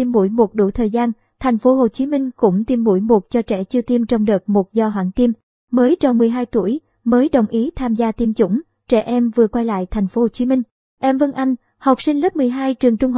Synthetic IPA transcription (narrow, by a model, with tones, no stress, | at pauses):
i˧mːṵ˧˥jmo˨˩t̚ɗṵ˧˩t̪ʰəː˨˩jzaː˧n | t̪ʰa˨˩jŋ̟fo˨˦ɦo˨˩t͡ɕi˨˦mï˧ŋ̟kʊ̰˧˥ŋ͡mt̪i˧mːṵ˧˥jmu˨˩t̚t͡ɕɔ˧t͡ɕɛ̰˧˩t͡ɕɨ˧t̪i˧mt͡ɕɔ˧wŋ͡mɗəː˨˩t̚mo˨˩t̚zɔ˧ɦwa̰ː˧˩ŋt̪i˧m | məː˨˦jt͡ɕɔ˧˩wŋ͡mmɨ˨˩əjɦaː˧jt̪u˧˩əj | məː˨˦jɗə˨˩wŋ͡mʔi˨˦t̪ʰaː˧mzaː˧t̪i˧mt͡ɕʊ̰˧˥ŋ͡m | t͡ɕɛ̰˧˩ʔɛ˧mvɨ˨˩əkwa˧jla̰ː˧˨jt̪ʰa˨˩jŋ̟fo˨˦˨t͡ɕi˨˦mï˧ŋ̟ | ʔɛ˧mvə˧ŋʔa˧jŋ̟ | ha˨˩wk͡p̚sï˧ŋ̟lə˦˥p̚mɨ˨˩əjɦaː˧jt͡ɕɨ˨˩əŋt͡ɕʊ˧ŋ͡mh